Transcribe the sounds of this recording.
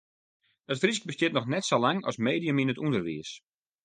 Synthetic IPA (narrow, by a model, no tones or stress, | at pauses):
ətfrisk̚bəstɪətnɔxnɛtsolaŋɔ̰smeːdiəminətundərʋḭəs